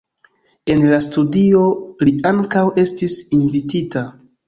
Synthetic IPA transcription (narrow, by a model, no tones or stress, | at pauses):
e̞nlastudio̞liaŋkawe̞stisinvitita